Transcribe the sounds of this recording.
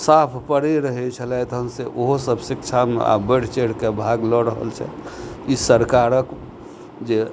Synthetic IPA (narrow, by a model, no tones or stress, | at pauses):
sapʰpəɽiɾəɦɛt͡ʃʰəlɛt̪ɦəmseʔoɦosəbsikt͡ʃʰamḛa̰bəɽ̤t͡ʃeɽ̤kebʱaɡlɔɾəɦə̰lt͡ʃʰɛ̰kisəɾkaɾək | d͡ʒe